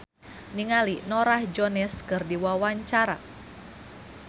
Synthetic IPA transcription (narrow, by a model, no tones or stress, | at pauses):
niŋalinɔɾahd͡ʒɔnɛskɨrdiwawaɲt͡ʃaɾa̰